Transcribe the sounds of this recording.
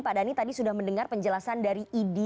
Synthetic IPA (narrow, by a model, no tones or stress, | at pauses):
padanit̪adisudahməndəŋarpəɲd͡ʒəlasandaɾiʔide